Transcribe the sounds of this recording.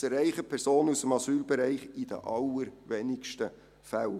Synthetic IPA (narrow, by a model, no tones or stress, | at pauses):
əɾæɪχəpʰɛɾsoːnusəmɑsyːlbɛɾæɪχɪd̥̪ə̰ʔɑləɾʋenɪkʃtə | fæl